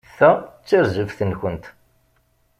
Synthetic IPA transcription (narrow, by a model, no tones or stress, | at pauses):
θæt͡sːəɾzəfθənçənt̪